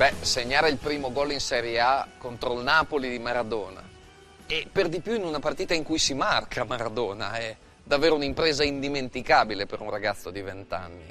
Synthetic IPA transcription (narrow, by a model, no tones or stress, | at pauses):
bɛseɲːaːɾeilpɾiːmoɡɔlinsɛɾjeakont̪ɾoilnaːpolid̪imaɾad̪ɔːna̰ | eperd̪ipjuinunapart̪iːt̪aiŋkujsimarkʰamaɾad̪ɔːna̰ɛ | d̪avːeːɾounimpɾeːzaind̪iment̪ikaːbilepeɾunraɡat̪sːod̪ivent̪a̰nːḭ